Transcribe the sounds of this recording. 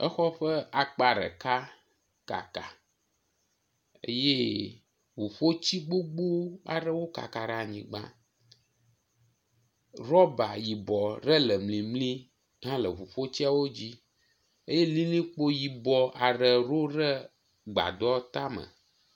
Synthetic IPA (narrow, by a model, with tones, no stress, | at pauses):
ə̰˦xɔ˦ɸə˦a˨k͡pa˨ɖə̰˨ka˦ | ka̰˨ka˨ | ḛ˦je˦ | vu˨ɸo˦t͡ɕi˦ɡ͡bo˦ɡ͡bo˦wa̰˨ɖə˦wo˦ka̰˨ka˨ɖa˨ɲĩ˨ɡ͡bã̰˦ | ɾɔ˦ba˨ji˨bɔ˨ɾə˦lə˨mlĩ˨mlĩ˦ | ɦã˦lə˨vu˨ɸo˦t͡ɕi˦a˨wo˦d͡ʑi˦ | e˦je˦li˦lĩ˦k͡po˦ji˨bɔ˨ʔa˨ɖə˨ɾo˦ɖə˦ | ɡ͡ba̰˨d̪ɔ˦t̪a˦mə̰̃˨